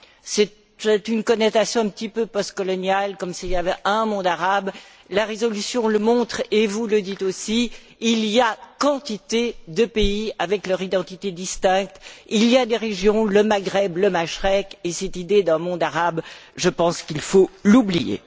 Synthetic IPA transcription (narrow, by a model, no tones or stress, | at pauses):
sɛt̪ | ɛt̪ynkɔnɛt̪asjɔ̃ɛ̃pt̪ipøpɔst̪̚kɔlɔnjalkɔmsiljavɛʔə̃mɔ̃d̪aʁab | laʁezɔlysjɔ̃ləmɔ̃t̪χevuləd̪it̪osi | ilijakɑ̃t̪it̪ed̪əpeiavɛklœʁid̪ɑ̃t̪it̪ed̪ist̪ɛ̃k̚t̪ilijad̪eʁeʒjɔ̃ləmaɡʁɛbləmaʃʁɛkesɛt̪id̪ed̪ɛ̃mɔ̃d̪aʁabʒəpɑ̃skilfolublijḛ